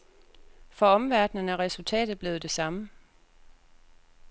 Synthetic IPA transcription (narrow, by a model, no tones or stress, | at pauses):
fɒ̽ɒ̽mʋæɐd̥nənæʁɛsult͡sʰɛ̰ːd̥ð̩ˠb̥le̝ːð̩ˠd̥e̝sɑ̈mə